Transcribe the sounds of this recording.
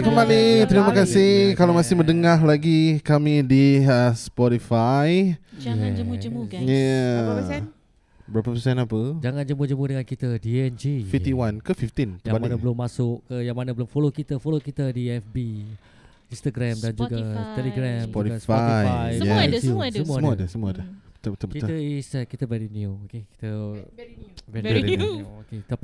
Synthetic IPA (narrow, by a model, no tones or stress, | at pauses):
kəmbalit̪ɾimakasɪhkalamasɪhmə̃ndəŋahlaɡikamĩdiəspɔɾifaj | ja | bəɾapəpəsaanapəd͡ʒaŋãnd͡ʒəmʊd͡ʒəmudəŋankit̪adiɛnd͡ʒifift̪iwankəfift̪int̪əbanabəlʊmːasʊʔkəjaŋmanabəlʊmfolokit̪əfolokit̪ədiɛfbi | inst̪aɡɾamdand͡ʒuɡat̪ɛliɡɾampɔt̪isfaɔjajɛjəusəmuəmadəsəmuadət̪ət̪əkit̪əisɛt̚kit̪əbɛɾiniuokeki̥t̪ə | vɛɾɛɾiuoket̪ap